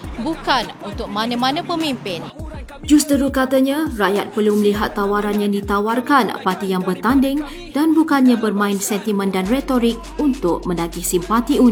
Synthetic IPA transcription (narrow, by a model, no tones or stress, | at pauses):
bukanunt̪ʊk̚mãnə̃mãnə̃pəmimpɪn | d͡ʒust̪əɾukat̪aɲãrajat̪̚pərluməliɦat̪ːawaɾanɲãdit̪awarkanpart̪ijaŋbərt̪andɪŋ | d̥anbukanɲãbərmãɪnsɛnt̪imə̃ndanret̪oɾɪk̚unt̪ʊk̚mə̃ndaɡisimpat̪iu